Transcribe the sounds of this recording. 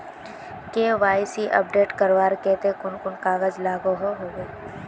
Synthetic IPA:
keʋaːɪsiʔɐ̰p̚ɖeːʈkəɾʋaːɾkɛːt̪ekʊnkʊnkaːɣəzlaːɡoɦoɦoːɡeː

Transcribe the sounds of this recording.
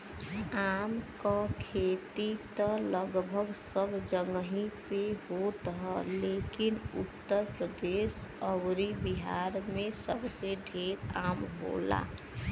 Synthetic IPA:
aːmkakʰet̪it̪ələɡbʱəɡsəbd͡ʒəŋɡɦipeɦot̪ɦɛleːkinʊ̰t̪ːəɾpɾəd̪eːsəwɾibiɦaɾmẽsəbseɖʱeːɾaːmɦo̰la̰

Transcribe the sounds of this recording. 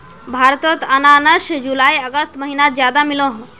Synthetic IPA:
bʱaːɾt̪ot̪ənanəʃd͡ʒulaːiəɡəst̪məɦinat̪zjaːd̪amiloɦ

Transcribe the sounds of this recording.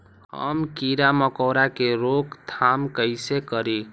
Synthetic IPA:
ɦə̰mkiɾaməkɔːɾakeɾokt̪ʰamkəɪsekəɾi

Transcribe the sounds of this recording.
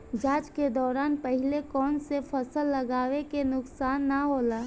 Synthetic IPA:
d͡ʒaːd͡ʒked̪ɔːɾaːnpɐɦɪlekɔːnsefʰəsəlːɐɡaːwekenʊksaːnːaɦoːlaː

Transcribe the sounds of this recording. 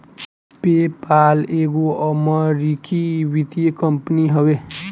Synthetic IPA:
pepaleɡoʔʌmʌɾikiwid̪ijekʌmpəniɦʌwe

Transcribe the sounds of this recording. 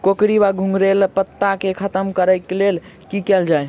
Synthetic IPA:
kokɾibaɡʱũŋɡɾelpət̪ːakekʰət̪əmkəɾəkelel | kikɛld͡ʒaj

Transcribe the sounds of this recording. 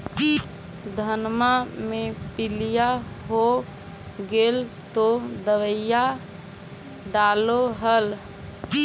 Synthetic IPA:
d̪ʱənmamẽpɪlijaɦo | ɡelt̪od̪əʋəja | ɖaloɦəl

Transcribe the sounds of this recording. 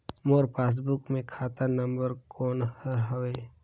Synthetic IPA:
moːɾpʰeːs̬bʊkmẽkʰaːt̪anə̃mbəɾkɔːnhəɾɦəʋeː

